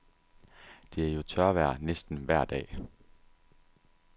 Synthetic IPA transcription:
d̥e̝æɐjo̝t͡sʰɶɐʋæɐ̰nesd̥n̩ʋæɐ̰d̥ɛ̰ː

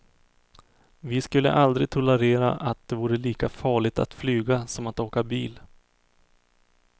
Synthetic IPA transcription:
vɪskɵlːə̰ʔald̪ɾɪɡ̚t̪ʰʊləɾeːɾa̰ʔat̪̚d̪ɛvuːɾəliːkafɑːɭɪɡ̚t̪ʰa̰t̪flyːɡasɔmat̪oːkabiːl

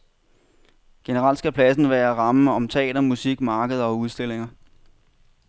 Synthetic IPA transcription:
ɡ̥e̝nəʁɑ̈l̰d̥sɡ̥æpʰlæsn̩ʋæːɐʁɑ̈məɒ̽mt͡sʰɛ̰ːd̥ɐmusiɡ̥mɑ̈ːɡ̥əð̞ˠɐɒ̽uð̞ˠsd̥e̝le̝ŋɐ

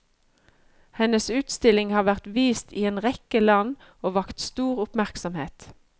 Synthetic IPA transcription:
hɛnəsʉːt̪st̪ɪlɪŋhɑːʋæʁt̪ʋiːst̪iːeːnʁɛkəlɑn | oːʋɑkt̪st̪uːʁʊpmæʁksɔmheːt̪

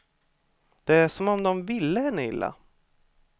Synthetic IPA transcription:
d̪̥ɛæʂɔmɔmd̪ɔmvɪlːəhɛnːəɪ̰lːa̰

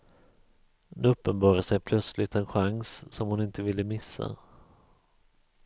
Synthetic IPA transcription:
nɵpːənbɑːɾəsɛjpʰlœt̪slɪt̪ɛnɧaŋsːɔmhʊnɪnt̪əvɪlːəmɪsːa̰

